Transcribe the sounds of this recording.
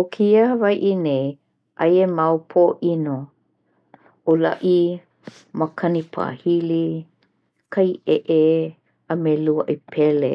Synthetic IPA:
okʰiəhəvajʔinej | ʔɐjemawpʰoːʔino | ʔolɐʔi | məkʰɐnipʰa̰ːhili | kʰɐjʔeʔe | əmeluəʔɐpʰɛlḛ

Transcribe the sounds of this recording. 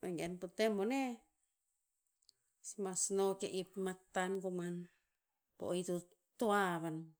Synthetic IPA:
ʔeŋɡeanput̪emone | smasnokeʔipmak̚t̪ankuman | po̰ʔit̪u | t̪oaβan

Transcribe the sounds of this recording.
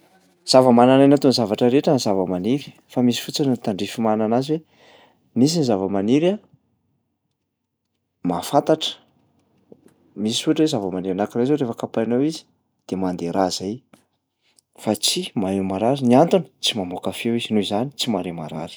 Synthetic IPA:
z̥avəmanananat̪unzavaʈ͡ʂəɾeʈ͡ʂanzavəmaniɾi̥ | famisi̥fut͡sanənt̪aɳɖ͡ʐifimananaziwe | mis̬inizavəmaniɾa | mafant̪aʈ͡ʂə̥ | misisuʈ͡ʂwezavəmaniɾanakiɾazoɾefəkapanowizi̥ | d̪̥emand̪eɾaz̥aj | fat͡simaɾemaɾaɾiniant̪unə̥t͡simamokafewiz̥inuizanit͡simaɾema̰ɾa̰ɾi̥

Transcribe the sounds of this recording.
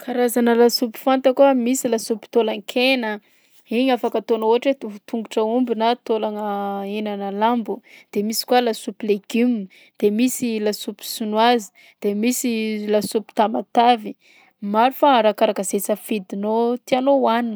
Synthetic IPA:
kʰaɾazanəlasupi̥fant̪əkuamisilasupi̥t̪olaŋkʰenə | iɲafakat̪onooaʈ͡ʂet̪ut̪uŋɡuʈ͡ʂəumbinat̪olaŋəenanəlambud̪̥emisi̥kualasupileɡ̥imn | d̪̥emisilasupi̥sunwazi̥ | d̪̥emisilasupi̥t̪amat̪avi | maɾifaɾakaɾakəzet͡səfid̪inot̪ianowanin

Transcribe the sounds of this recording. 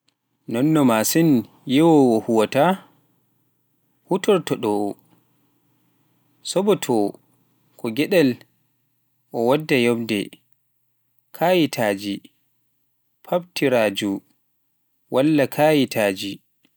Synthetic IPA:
nɔnːɔmasin | jɛwɔwɔhuwata | hutɔɾtɔɗɔ | sɔbɔtʰɔ | kʰɔɡɛɗɛl | ʔɔwadːajɔbdɛ̰ | kʰaːjitʰaːd͡ʒi | pʰabtiɾaːd͡ʒu | wʔalːakʰajitʰaːd͡ʒi

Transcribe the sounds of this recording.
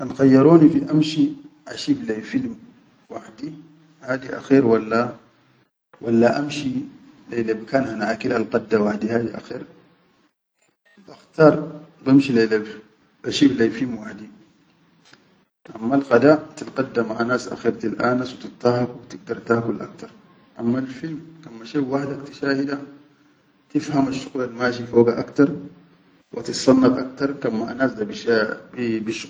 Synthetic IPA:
ʔanxɑjːɑɾˤoːnifiʔamʃiʔa̰ʃiːblajfilm | waħd̪i | haːd̪iʔa̰xiːɾwalːa | walːaʔamʃilejlabkaːnhanaʔakilʔalqɑd̪ːawaħd̪ihaːd̪iʔa̰xiːɾ | ʔaxt̪ɑːɾˤbamʃilelab | ʔaʃiːblajfilmwaħd̪i | ʔamːalɣad̪aːt̪ilqad̪ːamːaʕanaːsʔa̰xiɾt̪ilʔaːnaswit̪it̪ˤːɑhɑkwit̪iɡ̚d̪ɑɾˤt̪aːkulʔa̰k̚t̪ɑɾˤ | ʔamːalfilmkamːaʃewaħd̪akt̪i̥ʃaːhid̪a | t̪ifhamaʃːuɣlalmaːʃifoːɡaʔakt̪ɑɾˤ | wʔat̪it̪sˤɑnːɑfʔak̚t̪ɑɾˤkamːaʕa̰naːsd̪abibibiʃ

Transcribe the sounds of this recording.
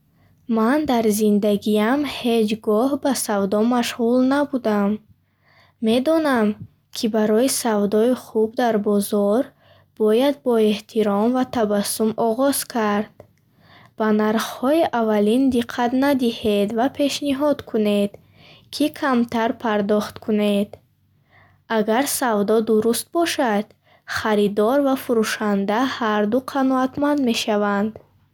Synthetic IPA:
mand̪aɾzind̪aɡiamhe̞d͡ʒɡɔhbasavd̪ɔmaʃʁulnabud̪amː | e̞d̪ɔnam | kʰibaɾɔisavd̪ɔiχubd̪aɾbɔzɔɾ | b̥ɔjad̪̚bɔeht̪ʰiɾɔmvat̪ʰabasːumɔʁɔz̥kʰaɾd̪̥ | b̥anaɾχhɔiʔavalind̪iqʰːat̪nad̪ihed̪vapʰe̞ʃniɦɔd̪kʰune̞d̪̥ | kʰikʰamt̪ʰaɾpʰaɾd̪ɔχt̪kʰuned̪̥ | aɡaɾsavd̪ɔd̪uɾust̪̚bɔʃad̪̥ | χaɾid̪ɔɾvafuɾuʃand̪ahaɾd̪uqʰanɔat̪mand̪me̞ʃavand̪

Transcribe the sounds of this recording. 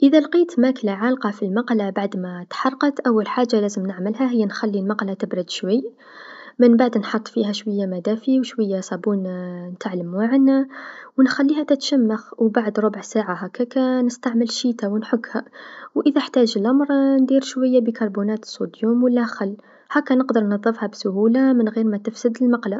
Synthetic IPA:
ʔəðælqit̪mæklaʕalqɑfilmɑqlabaʕd̪mæt̪ħɑrˤqɑt̪ʔæwːəlħaʒːalæzəmnəʕməlɦæɦəjːænxælːilmɑqlat̪əbɾəd̪ʃwəjː | mənbaʕd̪nħɑt̪ˤːfihæʃwəjːamæd̪æfiwʃwəjːasˤɑbunnət̪aʕləmwaʕnawənxælːihæt̪ət̪ʃæmːaxwbaʕd̪ɾˤobʕsaʕaɦækːækænəst̪aʕməlʃit̪awnħʊɡːhæwʔəðæħt̪æʒəlʔɑmɾˤnd̪iɾʃwajːabikɑɾˤbunæt̪sud̪jumwəlːæxalː | hækːænəqd̪əɾˤnɑðˤːəfhɑbsʊhulamənɣiɾmæt̪əfsəd̪əlmɑqla

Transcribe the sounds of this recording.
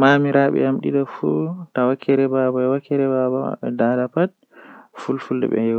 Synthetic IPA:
mamiɾaɓɛ̰amɗidafutawakʰːɛɾɛbabaɛwakʰːɛɾɛbaba̰ɛdadapat̚ | fulfuldɛ̰ɓɛ̰jɛw

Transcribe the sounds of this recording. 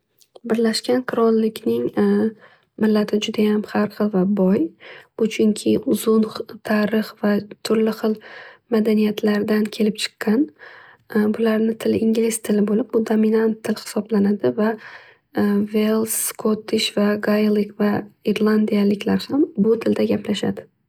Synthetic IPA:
bɪɾlaʃkʲankʰʊɾɒnlɪkʲnɪŋ | mɪlːat̪ʰɪd͡ʒʊd̪ajamhaɾχɨlˠvabɒjbʊt͡ʃʰʊŋkʲʰɪʔʊzʊnt̪ʰaɾɨχvat̪ʰʊɾlɪχɨlˠmad̪anijat̪ʰlaɾd̪ankʲʰe̞lɪp̚t͡ʃʰɨ̥qːɑn | bʊlaɾnɪt̪ʰɪlʔɪŋɡʲlɪst̪ʰɪlɪbolɪp̚bʊd̪ominant̪ʰːɪlhɪ̥sɒblanad̪ɪva | velˠskʰot̪ʰːɪʃvaɡajlˠɪkvaiɾlˠand̪ijalɪkʲlaɾhambʊt̪ʰɪld̪aɡʲaplaʃa̰d̪ɪ

